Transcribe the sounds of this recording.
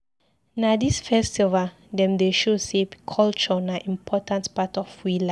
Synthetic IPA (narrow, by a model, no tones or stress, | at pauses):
nadisfɛstiva | dɛ̃mdeʃosekʰɔlt͡ʃɔnaʔĩmpʰɔtãntpatɔfwila